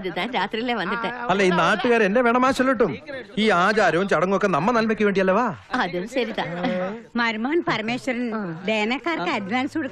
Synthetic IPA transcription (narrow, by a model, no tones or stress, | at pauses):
ɐðɨt̪aːnɾaːt̪rijilːeʋɐnd̪iʈːeɐlːeiːnːaːʈːuɣaːɾe̞ndeʋeɳɐmaːɕɐlːiʈ̬ːumiːaːd͡ʑaːɾoːt͡ɕːɐɽɐŋːɨokːenɐmːɐnɐlmɐkʲːuʋe̞ːɳɖijɐlːɐʋaːɐðunːɕɐɾit̪aːmɐɾmaːnpɐrmeːɕɐɾɐnd̪eːnɐkːaːrkɨɐɖʋaːnsoɽukː